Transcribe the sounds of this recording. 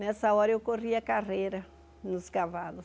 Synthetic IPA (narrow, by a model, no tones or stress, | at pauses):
nɛsɐɔɾɐewkoʁiɐkaʁejɾɐ | nʊskavalʊ